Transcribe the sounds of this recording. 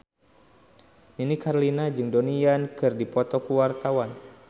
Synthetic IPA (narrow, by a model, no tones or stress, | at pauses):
ninikarlinad͡ʒɨŋdɔniankɨrdipɔt̪ɔkuwart̪awan